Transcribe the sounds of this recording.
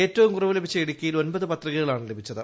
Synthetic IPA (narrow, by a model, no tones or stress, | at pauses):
e̞ːtːɐʋumkurɐʋɨlebʱit͡ɕːɐiɽikʲːɐjilo̞nbɐðɨpɐt̪riɣɐɣɐɭaːɳɨle̞bʱit͡ɕːɐðɨ